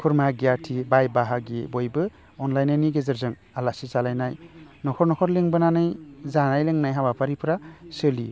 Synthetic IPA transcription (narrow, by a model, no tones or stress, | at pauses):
kʰuɾmaɡijatʰibajbaɦaɡibɔjbɯ | ɔnlajnajniɡezɯɾzɯŋ | alasizalajnajnɔkʰɔɾnɔkʰɔɾleŋbɯnanɯjzanajlɯŋnajɦabapʰaɾipʰɯɾasɯlḭ